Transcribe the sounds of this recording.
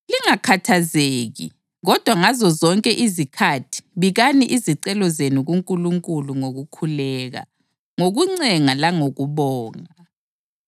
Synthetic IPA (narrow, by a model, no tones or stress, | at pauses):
liŋakʰatʰazeːɣḭ | ɣɔd̥ʱwaŋazɔzɔŋkʼɛʔizikʰatʰi̥βiɣaniʔiziǀɛlɔzenuɣuŋkʼuluŋkʼuluŋoɣukʰulɛːɣa̰ | ŋoɣuŋ͡ǀɛŋalaŋoɣuβɔːŋa